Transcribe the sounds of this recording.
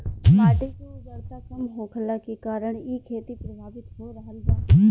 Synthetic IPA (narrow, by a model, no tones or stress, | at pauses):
paːʈekoɡəɽt̪akɐmɦoːkʰəlakekaːɾəɽ̃ikʰeːt̪ipɾəbʱaːbɪt̪ɦoɾɐɦəlbaː